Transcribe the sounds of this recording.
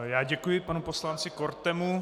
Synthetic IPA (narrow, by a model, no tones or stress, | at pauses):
jaːɟɛkujɪpanuposlant͡sɪkoɾt̪ɛmu